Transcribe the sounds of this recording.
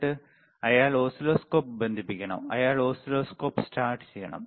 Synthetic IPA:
ʈːɨ | ɐjaːɭoːsiloːskoːp̚bend̪ʱipːikʲːɐɳɐ̰mɐ̰jaːɭoːsiloːskoːpsʈaːrʈt͡ɕejːɐɳɐ̰m

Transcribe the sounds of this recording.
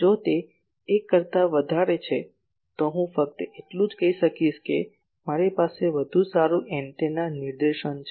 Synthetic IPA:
d͡ʒot̪eː | kːəɾt̪aʋəd̪ʱaɾet͡ʃʰe | t̪oɦũfək̚t̪əeʈlũd͡ʒkəiʃəkiʃke | maɾepaseʋəd̪ʱũsaɾũʔɛ̃ɳʈenaniɾd̪eʃənt͡ʃʰ

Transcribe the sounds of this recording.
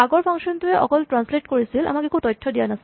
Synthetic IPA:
aɡɔɹpʰaŋsɔntʊɛʔɔ̰kɔltɹansletkoɹisila̰makekʰutɔjtʰːɔdijanasil

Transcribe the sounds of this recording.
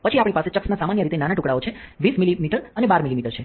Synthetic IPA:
pət͡ʃʰiapɳ̃ipaset͡ʃəksnasamanjəɾit̪enanaʈʊkɽaot͡ʃʰeʋismilimiʈəɾənebaɾmilimiʈəɾt͡ʃʰe

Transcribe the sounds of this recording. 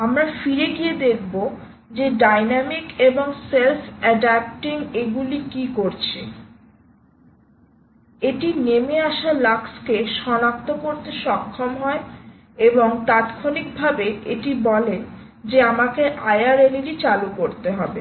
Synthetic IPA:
amɾafiɾeɡied̪ekʰbo | d͡ʑeɖajnamikeboŋselfʰɛɖɛp̚ʈiŋeɡulikikoɾt͡ɕʰe | eʈinemeaʃalakskeʃɔnak̚t̪okoɾt̪eʃɔkʰːomɦɔe | eboŋt̪at̪kʰonik̚bʱabeeʈibɔle | d͡ʑeamakeʔajaɾelilit͡ɕalukoɾt̪eɦɔbe

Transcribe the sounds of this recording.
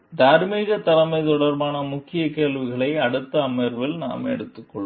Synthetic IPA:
d̪aːɾmiːɣɐt̪ɐlɐmɐɪt̪ɔɽɐɾbaːnɐmʊkːɪjɐkeːlʋɪɣɐɭɐɪɐɽɯt̪ːɐːmɐɾʋɪlna̰ːmɛ̰ɽɯt̪ːɯkːɔɭː

